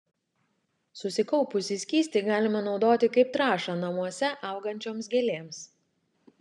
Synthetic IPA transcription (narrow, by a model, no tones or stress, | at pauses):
sʊsʲɪkɐʊpʊsʲɪsʲkʲiːsʲt̪ʲɪɡɑːlʲɪmɐnɒʊd̪oːt̪ʲɪkɐɪp̚t̪ɾɑːʃɐnɐmuɔsʲɛʔɐˑʊɡɐnʲt͡ʃʲoːmsɡʲelʲeːms